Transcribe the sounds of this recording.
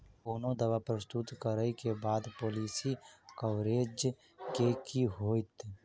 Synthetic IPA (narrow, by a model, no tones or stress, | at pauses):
oːnõd̪ɐʋapɾəst̪ut̪kəɾəikebaːd̪poːliːsikəʋɾeːd͡ʒ | kekiɦoːɪt̪